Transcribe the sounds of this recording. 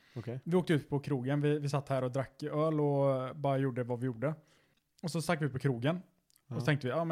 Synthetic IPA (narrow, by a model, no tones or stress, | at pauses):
ɔkʰvɪoːk̚t̪əʉ̟ːt̪̚pʰɔkʰɾuːɡənvɪvɪsat̪ːhæːɾɔd̪ɾakːɪøːlɔbɑːɾajuːɖəvavɪjuːɖə | ɔsɔst̪ɾak̪ːvɪʉ̟t̪pʰɔkʰɾuːɡən | ɔɔt̪ɛŋkt̪əvɪɑːm